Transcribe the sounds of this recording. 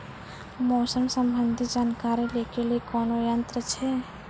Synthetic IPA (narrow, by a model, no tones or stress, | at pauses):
mɔːsəmsə̃mbənd̪ʱid͡ʒaːnkaːɾileːkʰeliekɔːnojənt̪ɾət͡ʃʰɛ